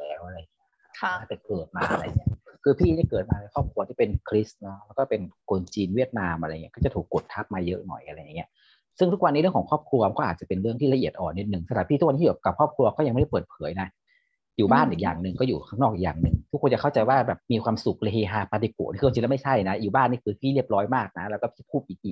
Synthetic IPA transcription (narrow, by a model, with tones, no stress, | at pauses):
lɛː˦˥wʔa˧ɾa˧jŋʰ˦˥ | naː˥˩t͡ɕɛ˨˩kɤː˨˩t̪̚maː˧ʔa˧ɾa˧jŋi˦˥ɐkʰɯː˧pʰiː˥˩niː˦˥˩kɤː˨˩t̪̚maː˧e˧˦kʰɔː˥˩p̚kʰu˧ɐt̪ʰiː˥˩pe˧nkʰɾi˦˥snɔ˦˥lɛː˦˥wkɔː˥˩pe˧nkʰo˧nt͡ɕiː˧nwi˥˩ət̪̚naː˧mʔa˧ɾa˧jŋi˦˥˩kɔː˥˩t͡ɕa˨˩t̪ʰuː˨˩kːo˨˩t̪ʰːa˦˥p̚maː˧jɤ˦˥ʔnɔ̰˨˩jʔa˧ɾa˧jːa˨˩ŋːi˦˥ɐ | sɯ˥˩ŋʰu˦˥k̚wa˧nːiː˧˥ɾəkʰɔ˩˦ŋkʰɔː˥˩p̚kʰlu˧a˧˦kɔː˥˩˨aː˨˩t͡ɕa˨˩pe˧nɾɯ˥˩ət̪ʰiː˥˩la˧ʔi˨˩ət̪ʔɔː˨˩nːe˦t̪̚nɯ˨˩ŋsa˧t̪ʰaː˨˩˦pʰiː˥˩u˦˥kwʰiː˥˩˨ka˨˩p̚kʰɔː˥˩p̚kʰlu˧ɐ˧kɔː˥˩ja˧ŋma˥˩˥pɤː˨˩t̪̚pʰɤː˩˦jna˦˥ | juː˨˩baː˥˩nʔiː˨˩k̚ja̰ː˨˩ŋnɯ˨ŋkɔː˥˩juː˨˩kʰaː˦˥˩ŋnɔː˥˩k̚iː˨˩kja̰ː˨˩ŋnɯ˨˩ŋt̪ʰu˦˥kʰːo˧nt͡ɕa˨˩kʰa˥˩wt͡ɕa˨˩jwaː˥˩bɛː˨˩p̚miː˧kʰwaː˧msu˨˩k̚le˧heː˧ɦaː˧paː˧t̪i˧kṵ˨˩nʰː˧˦˥t͡ɕi˧lɛ˥˩ma˥˩jt͡ɕʰa˥˩jna˦˥juː˨˩baː˥˩nːiː˥˩kʰɯː˧pʰiː˥˩li˥˩əp̚ɾɔː˦˥jmaː˥˩k̚na˦˥lɛː˧˦˥wkɔː˥˩pʰiː˥˩pʰuː˥˩p̚ʔiː˨˩ʔiː˨˩